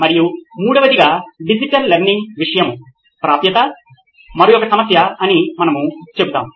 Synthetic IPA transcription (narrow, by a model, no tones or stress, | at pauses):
mɐɾijumuːɽɐʋɐd̪iɡaːɖid͡ʒiʈɐlːeɾniŋɡʋiʂɐjɐmu | pɾaːpjɐt̪ɐ | mɐɾujɔkɐsɐmɐsjɐɐnimɐnɐmut͡ʃe̞but̪a̰ːmu